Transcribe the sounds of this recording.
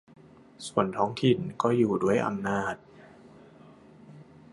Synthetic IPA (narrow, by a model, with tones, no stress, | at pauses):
su˨˩ənt̪ʰɔː˦˥ŋt̪ʰi˨˩nkɔː˥˩juː˨˩du˥˩əjʔa̰˧mnaː˥˩t̪̚